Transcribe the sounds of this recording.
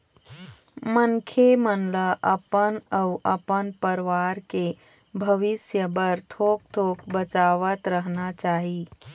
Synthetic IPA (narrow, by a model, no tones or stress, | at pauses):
mənkʰemənləʔəpənəʊʔəpənpəɾʋaːɾke | bʱəʋɪsjəbəɾt̪ʰoːk̚t̪ʰoːkbət͡ʃaːʋət̪ɾəɦnat͡ʃaːɦiː